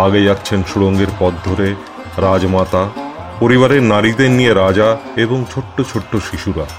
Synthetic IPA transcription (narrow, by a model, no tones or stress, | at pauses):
aɡed͡ʑat̪ːɕʰenʃuɽoŋɡeɾpɔd̪d̪ʱoɾe | ɾad͡ʑmat̪a | poɾiβaɾeɾnaɾid̪eɾnijeɾad͡ʑaeboŋt͡ɕʰoʈːot͡ɕʰoʈːoʃiʃuɾa